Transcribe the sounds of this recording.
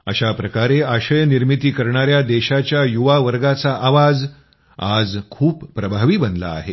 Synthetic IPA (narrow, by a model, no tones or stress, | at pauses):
əɕapɾəkaɾeaɕəjəniɾmit̪iːkəɾɳaɾjad̪eɕat͡ɕjajuʋaʋəɾɡat͡saʔaʋad͡z | a̰d͡zkʰuːpːɾəbʱaʋiːbənla̰ːɦe